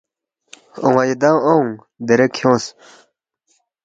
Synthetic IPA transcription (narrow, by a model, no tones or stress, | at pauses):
oŋajed̪aŋoŋ | d̪eɾekʰjõːs